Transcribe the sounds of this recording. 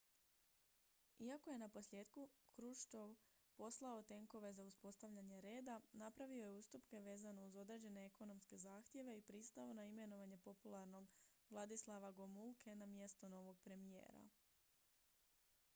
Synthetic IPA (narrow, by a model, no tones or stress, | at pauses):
iako̞je̞napo̞slje̞ːd̪kukɾuʃt̪o̞ʋ | po̞slˠao̞t̪e̞ŋko̞ʋe̞zauspo̞st̪aʋʎaɲe̞ɾe̞ːd̪anapɾaʋio̞je̞ust̪upke̞ʋe̞ːzano̞uzo̞d̪ɾe̞ːd͡ʑe̞ne̞eko̞no̞mske̞zaːxt̪je̞ʋe̞ipɾist̪aonaime̞no̞ʋaɲe̞po̞pulˠaɾno̞ɡʋlˠad̪islˠaʋaɡomulˠkʰe̞namje̞st̪o̞no̞ʋo̞ɡ̚pɾe̞mije̞̰ːɾa̰